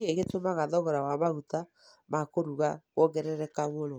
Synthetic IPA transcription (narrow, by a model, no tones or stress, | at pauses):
eɣetomaɣaðɔɣɔɾawamaɣuta | makoɾuɣaɣwɔɣɛɾɛɾɛkaβoɾo